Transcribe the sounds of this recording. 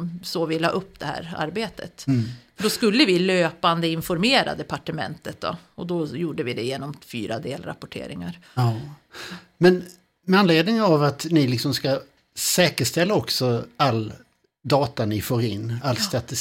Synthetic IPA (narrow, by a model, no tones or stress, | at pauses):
soːvɪlɑ̰ːʔɵpːd̪ɛhæ̰ːɾa̰ɾbeːt̪ʰə̰t̪ | ɖɔskɵlːəvɪløːpand̪əɪnfɔɾmeːɾa̰d̪ɛpaʈəmɛ̰nt̪ət̪̚d̪ɔ̰ɔd̪ɔjuːɖəvɪd̪ɛjeːnɔmfy̰ːɾʔa̰d̪ḛːlɾa̰pɔʈʰḛːɾɪŋaɾ | mɛn | mɛanleːd̪nɪŋavat̪nɪlɪksɔmska | sɛːkəʂt̪ɛlːaɔksɔalː | d̪ɑːt̪anɪfoːɾɪnːalst̪at̪ɪ